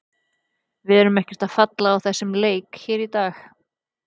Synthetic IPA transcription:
vɪɛɾʏmɛhcɛɾ̥t̪aðfat̪laːwθɛsːɪmleːjkçiːɾit̪aːx

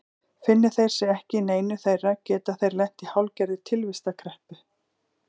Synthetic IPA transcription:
fɪnːɪ̥θejɾ̥sɪɛhcɪneːjnʏθejrːacɛːt̪aθejɾlɛn̥t̪ihawlcɛɾðɪt̪ʰɪlvɪst̪akʰɾɛhpʏ

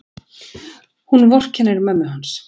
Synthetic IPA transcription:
hunvɔr̥cʰɛnːɪɾmɛmːʏɦans

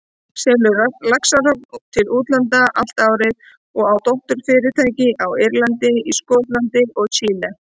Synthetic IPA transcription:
sɛlʏalaksarɔp̪ot̪ʰɪluːt̪lant̪aʔal̥t̪aːwɾɪð | ɔɣawt̪owht̪ʏɾ̥fɪːɾɪɾ̥t̪ʰaːjcɪʔawɪjɾlant̪ɪiskoːt̪lant̪ɪɾɔɣt͡ɕʰiːla

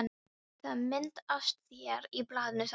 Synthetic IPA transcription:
n | θaðmɪnt̪ast̪θjɛɾiplaːðɪnʏs

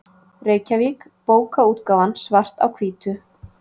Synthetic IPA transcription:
reːjcavik | poːwkauːt̪kaːwvansvar̥t̪a̰wkʰviːt̪ʏ

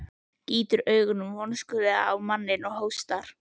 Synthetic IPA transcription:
ciːt̪ʏɾœːɥɣʏnʏmvɔnskʏðɪaawmanːɪnɔɣhowst̪aɾ̥

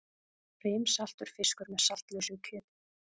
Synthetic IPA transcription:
rejmsal̥t̪ʏɾ̥fɪskʏɾmɛðsal̥t̪lœsʏcʰʏːt̪

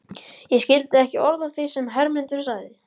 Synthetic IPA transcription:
jɛscɪlt̪ɪɛhcɪʔɔɾðav̥θisɛmɦɛɾmɪnt̪ʏɾ̥saːɣðɪ

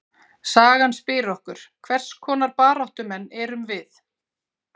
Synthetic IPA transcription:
saːɣanspɪːɾɔhkʏɾ̥kʰvɛr̥skʰɔːnaɾpaːɾawht̪ʏmɛnːɛːɾʏmvɪθ

